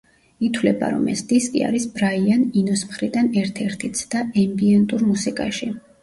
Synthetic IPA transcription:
it̪ʰwlɛba̰ɾɔ̰mɛ̰sd̪̥iskʼḭa̰ɾisbɾaianinɔsmχɾid̪anɛɾt̪ʰɛɾt̪ʰit̪sʰd̪̥aɛmbiɛnt̪ʼuɾmusikʼa̰ʃi

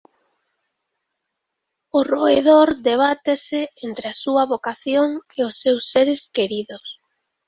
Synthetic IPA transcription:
ʊroeðoɾd̪eβ̞at̪esɪent̪ɾeasuɐβokaθjoŋeʊsːewsːeɾeskeɾiðʊs

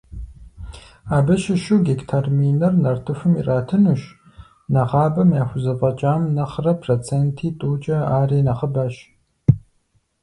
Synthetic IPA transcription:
aːbɐʃɪʃuːɡektʰarminɐrnɐrtʰɨfɨmḭraːtʰɨnuːʃ | nɐʁɑːbɐmjaːxʷʊzɐpʼɐt͡ʃʼaːmnɐχrɐpʰroːt͡sʰeːntʰiːtʼuːt͡ʃʼɐaːriːnɐχəbaːɕ

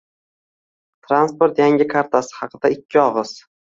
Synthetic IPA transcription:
t̪ʰɾanspoɾt̪jaŋʲɪkʰaɾt̪ʰasɪ̥hɑqʰɨd̪aɪkʲʰːɪɒʁɨz̥

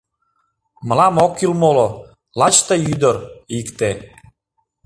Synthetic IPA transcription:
mə̆lɑmokːilmolo | lɑt͡ɕt̪əjyd̪əɾikt̪e

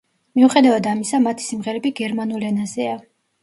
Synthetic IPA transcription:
miuχɛd̪avad̪amisamat̪ʰi̥simʁɛɾɛbiɡɛɾmanulɛnazɛa

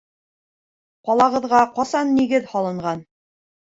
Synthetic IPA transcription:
qɒlˠɑʁɤ̆ðʁɑqɒsɑnːiɡɘðhɑlˠɤ̆ɴʁɑn

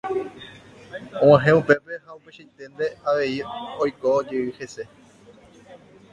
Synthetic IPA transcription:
õãɦẽupe̞pe̞haupeʃajt̪ẽ̞nd̪e̞aʋe̞iojkod͡ʒeɨhe̞se̞

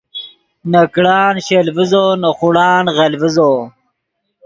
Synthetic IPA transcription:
nɐkɽɑːnɕelvizoːnɐχuɽɑːnʁɐlvizo

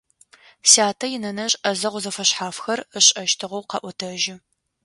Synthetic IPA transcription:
saːtʰɐjɪnɐnɐɕʼɐzɐʁʷʊzɐfɐɕħaːfxɐrəɕʼɐʃtʰɨʁɐwqɐ̰ʔʷʊtʰɐʒɪ

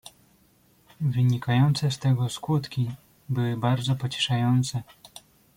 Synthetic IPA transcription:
vɘɲikajɔnt̪sɛst̪ɛɡɔskut̪kʲi | bɘwɘbaɾd̪zɔpɔt͡ɕɛ̥ʂajɔnt̪sɛ

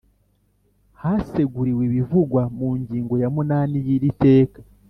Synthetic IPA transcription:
hase̞ɡuɾiweβivuɡwamuːɲɟiːŋɡo̞jamunaːnijiɾite̞ːkḁ

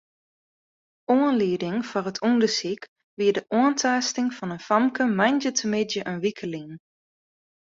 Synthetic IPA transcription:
oənliədɪŋfɔrətʰundəsik | ʋiədəʔoəntʰaːstɪŋfɔnənfɑmkʰəmajnd͡ʒətʰəmɪdjəʔənʋikʰəliŋ

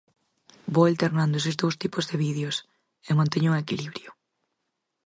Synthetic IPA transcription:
boalt̪eɾnand̪oʊes̬ɪzðowst̪ipʊzðɪβiðjʊs | eŋmõnt̪eɲouŋekiliβɾjʊ

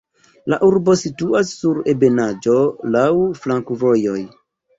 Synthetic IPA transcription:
laʔuɾbo̞situasːuɾebe̞nad͡ʒo̞lawflaŋkuvo̞jo̞j

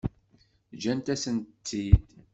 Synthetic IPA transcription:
d͡ʒænt̪æsənt͡s̪ːid̪

